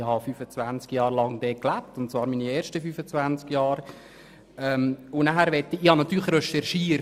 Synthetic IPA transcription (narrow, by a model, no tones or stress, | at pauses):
hɑfyːfət͡svænt͡skjɑːɾlɑŋd̥̪ɛːklæp̚tʊntt͡svɑːɾmiːnieːɾʃtəfyːfət͡sʋænt͡skjɑːɾ | ɛmʊnæɦæɾʋɛtːiɪhɑnɑt̪ːyːlɪɾɛʃɛɾʃiːə